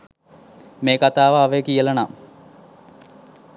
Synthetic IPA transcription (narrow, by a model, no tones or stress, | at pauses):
meːkat̪aːʋaːʋekijəlɐna